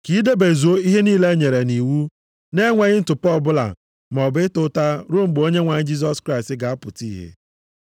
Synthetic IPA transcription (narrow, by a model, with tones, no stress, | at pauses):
ki˨˦de˦be˨zu˨o˦i˦ɦe˦niː˦le˦ɲe˨ɾe˨ni˨wu˦ | ne˦ŋʷe˦ɣɪ˦n̩˦tʊ˨pɔ˦˨bʊ˦la̰˨ | m˨ɔ˨bɪ˦tʊ˦ta˦ɾo˦mŋ͡m̩˨ɡ͡bo˦ɲe˦ŋʷa˨ɲɪ˦d͡ʒi˦s̬ɔ˦skɾa˦˨stɪ˦ɡa˨a˦pʊ˨ti˦ɦḛ˦